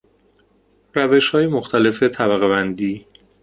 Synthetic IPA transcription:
ɾæve̞ʃhɒːjemoxt̪ʰæle̞fe̞t̪ʰæbæɣebænd̪iː

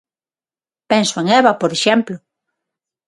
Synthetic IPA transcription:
pɛnsʊeŋɛβɐpoɾeʃɛmplʊ

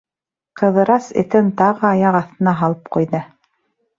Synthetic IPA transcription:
qɤ̆ðɤ̆ɾɑsɘ̰̆t̪ɘnt̪ɑʁɤɑjɑqɑθt̪ɤ̆nɑɦɑlˠɤp̚qujðɤ

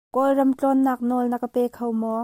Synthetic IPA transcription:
kɔjrɐmt͡ɬɔnːaːk̚nɔlnɐkəpɛːkʰowmɔ

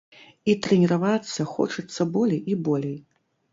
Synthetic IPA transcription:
it̪ɾɛnʲɛɾavat̪sːɐxɔ̰t͡ʂɨt̪sːɐbɔlʲejibɔlʲej

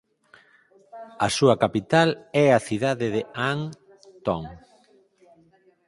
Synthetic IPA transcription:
ɐsuɐkapit̪alɛɐθiðaðɪðeaŋ | t̪ɔŋ

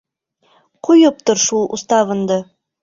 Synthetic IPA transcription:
qujɤp̚t̪oɾʃulˠʔṵst̪ɑʁɤ̆nd̪ɤ

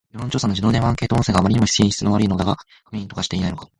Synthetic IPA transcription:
ihõɲt͡ɕo̞ːsanod͡ʑid̪oːd̪ẽβãŋkeːt̪oõseɡaːmaɾiɲ̟imo̞çi̥sĩçi̥t͡sɨno̞βaɾɯ̟ino̞d̪aɡa̰ | kɯmĩnt̪o̞kaɕi̥t̪e̞inainoka

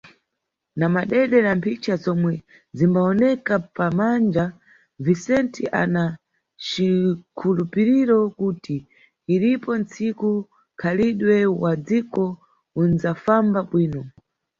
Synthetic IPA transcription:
namaɗɛɗɛɾampʰit͡ʃazɔmwɛ | zimbaɔnɛkapamand͡ʒa | visɛntʰiʔa̰na | t͡ʃikʰulupiɾiɾɔkutiː | ɾipɔnt͡siku | kʰaliɗwɛwad͡zikɔ | unzafambaɓwiːnɔ

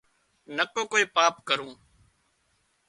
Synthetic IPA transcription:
nəkoːkoːiːpaːpkəɾũː

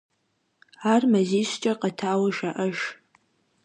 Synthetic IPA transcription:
armɐziɕt͡ʃʼɐqʼɐtʰaːwɐʒaʔəʃ

